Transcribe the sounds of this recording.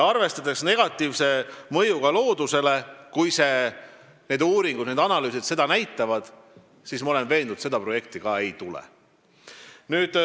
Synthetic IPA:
ɑrve̞st̪ɑd̪eksne̞ɡ̥ɑt̪ːˑiːvse̞mɤjuɡ̥ɑlo̞ːd̪use̞le̞kujse̞ | ne̞ːd̪uːɾiŋɡud̪neːd̪ɑnɑlyːsid̪̥se̞d̪ɑnæjt̪ːˑɑvɑd̪̥ | siːsmɑole̞nve̞ːnd̪ud̪se̞d̪ɑpro̞je̞k̚t̪ikɑːe̞jt̪ulɛ̰ | nyːd̪̥

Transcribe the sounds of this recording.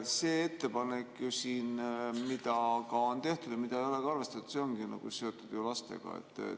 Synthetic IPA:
se̞ːe̞t̪ːe̞pɑnekːjusiːnmid̪ɑkɑo̞nt̪e̞ht̪ud̪̥jɑmid̪ɑjoleɡɑrve̞st̪ɑt̪u̥seo̞ŋɡinɑ̰ɡ̥use̞o̞t̪ːud̪̥julɑst̪e̞̰ɡ̥ɑ̰ḛt̪ːˑḛ

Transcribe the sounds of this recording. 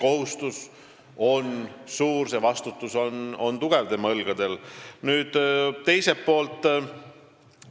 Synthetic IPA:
ko̞ɦust̪us | o̞nsuːrsevɑst̪ut̪ːˑusono̞nt̪uɡ̥evt̪e̞mɑɤlɡ̥ɑd̪̥e̞lnyːd̪̥t̪e̞jsepːo̞ːlt̪ˑː

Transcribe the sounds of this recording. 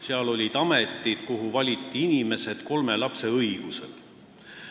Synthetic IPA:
seɑlo̞lʲid̪̥ɑme̞t̪ːˑid̪̥koɦuvɑlʲit̪ːˑiinime̞se̞d̪̥ko̞lme̞lɑpse̞ɤjɡ̥use̞̰l

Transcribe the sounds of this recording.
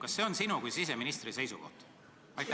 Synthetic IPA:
kɑsːe̞onsinukujsise̞minist̪rise̞jsṵko̞ht̪ | ɑjt̪

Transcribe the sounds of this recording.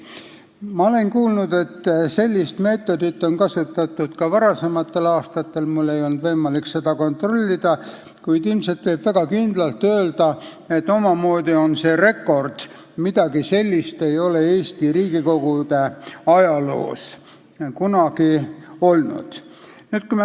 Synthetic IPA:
mɑo̞le̞nkuːlnud̪e̞t̪ːse̞lʲːist̪me̞ːt̪ːˑo̞d̪̥it̪ːˑo̞nkɑsut̪ːˑɑt̪ːˑud̪̥kɑvɑɾɑse̞mɑt̪ːˑe̞lɑːst̪ɑt̪ːe̞lmulːe̞jo̞lnd̪vɤjmɑlikse̞d̪̥ɑko̞nt̪ro̞lʲːid̪̥ɑ | kujd̪ilmset̪ve̞b̥væɡ̥ɑkind̪̥lɑlt̪ːø̞ːld̪ɑ | e̞t̪ːˑo̞mɑmo̞ːd̪̥io̞nse̞ːre̞kːo̞rd̪̥ | mid̪̥ɑɡise̞lʲːist̪e̞jo̞le̞eːst̪iriːɡ̥iko̞ɡ̥ud̪̥e̞ɑjɑlo̞̰ːs | kunɑɡio̞lnṵd̪̥ | nyːt̪̚kuim

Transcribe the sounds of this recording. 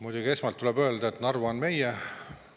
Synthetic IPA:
mujd̪uɡie̞smɑlt̪ːulɛbø̞ld̪ɑet̪nɑrvuonme̞jɛ

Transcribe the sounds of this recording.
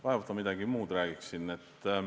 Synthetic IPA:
vɑevot̪ːˑɑmid̪ɑɡ̥imuːd̪ræːɡ̥iksinːet̪ː

